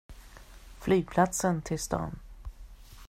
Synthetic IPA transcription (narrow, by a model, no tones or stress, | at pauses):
flyːɡ̚pʰlat̪sənt̪ʰɪlst̪ɑ̰ːn